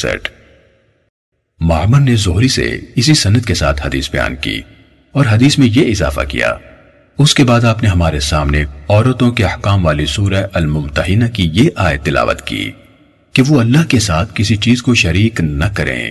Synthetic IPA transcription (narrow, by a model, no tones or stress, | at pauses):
sɛ̰ʈ | maːməɾnezʊɦɾisḛɪsisɐnət̪̚kesa̰ːt̪ʰhɐd̪ḭːsbɐja̰ːnkḭː | ɔːɾɦɐd̪iːsmẽjeɪza̰ːfa̰kḭja̰ː | ʊskebaːd̪aːpneɦɐmaːɾesaːmneɔːɾət̪õkeɐhkaːmʋaːlisuːɾəʔɐlmʊmt̪əɦɪnakijeʔaːet̪ːɪla̰ːʋə̰t̪kḭː | keʋoɐlːaɦkesaːt̪ʰkɪsit͡ʃiːzkoʃɐɾiːknɐkɐɾḛ̃ː